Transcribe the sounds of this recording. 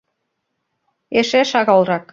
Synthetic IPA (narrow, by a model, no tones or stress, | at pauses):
eʃeʃɑɣɑlˠrɑk